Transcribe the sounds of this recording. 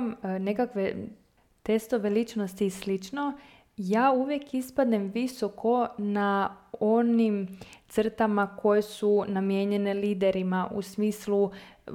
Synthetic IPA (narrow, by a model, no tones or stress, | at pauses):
mne̞kakʋe̞ | t̪e̞st̪o̞ʋe̞lit͡ʃno̞st̪islit͡ʃno̞ | jaːuʋje̞kispad̪nemʋiso̞kʰo̞nao̞nimt̪sr̩t̪amako̞jesunamje̞ːɲe̞ne̞liːd̪e̞ɾimaʔṵsmiːslu